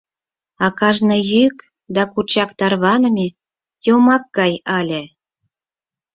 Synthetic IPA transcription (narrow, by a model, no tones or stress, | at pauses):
ɑkɑʒnɤjyk | d̪ɑkurt͡ɕɑkt̪ɑrβɑnə̆mʲe | jomɑk̚ɡɑjɑlʲe